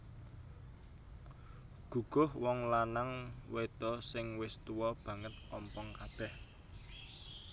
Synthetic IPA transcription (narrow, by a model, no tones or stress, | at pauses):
ɡ̥ṳɡ̥ʊ̤hwɔŋlanaŋwet̪ɔsɪŋwɪst̪uwɔb̥ä̤ŋət̪̚ɔmpɔŋkab̥ɛh